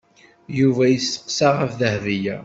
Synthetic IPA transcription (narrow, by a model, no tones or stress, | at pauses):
juvæjəsːə̥qsaʁəfðəhvijæ